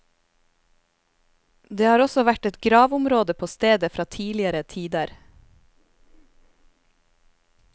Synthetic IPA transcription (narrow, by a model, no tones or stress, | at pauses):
d̪eːhɑːɾɔsɔʋæʈɛt̪ɡɾɑːʋʊmɾoːd̪əpʰoːst̪eːd̪əfɾʔɑːt̪ʰiːlɪəɾət̪ʰiːd̪əɾ